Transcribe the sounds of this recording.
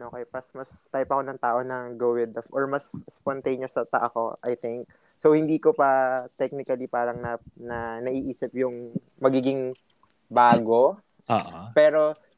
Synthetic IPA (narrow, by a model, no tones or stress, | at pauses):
okɛjpɐsmɐst̪ajpɐko̞nɐŋt̪aːʔo̞nɐɡowɪd̪ɐfʔoɹmɐsspont̪ejnjosɐt̪ɐʔɐko̞ʔɐjt̪ɪŋk̚ | sowhɪnd̪iːkopɐt̪ɛk̚nɪkɐlipaːɾɐŋnɐnɐnɐʔiːʔiːsɪpjʊŋ | mɐɡiːɡɪŋ | baːɡo̞ | oːʔpɛːɾo̞